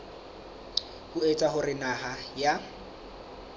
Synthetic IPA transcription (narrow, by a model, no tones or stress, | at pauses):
kʊet͡sʼaɦʊrɪnaɦaja